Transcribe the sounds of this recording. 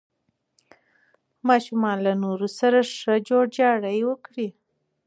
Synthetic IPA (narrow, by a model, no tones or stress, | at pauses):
mɑʃumɑnlanoɾusaɾaʂəd͡ʒoɽd͡ʒɑɽəjwəkɽi